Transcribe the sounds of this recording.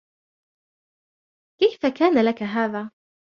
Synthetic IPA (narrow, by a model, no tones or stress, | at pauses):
kajfakaːnalakaɦaːðaː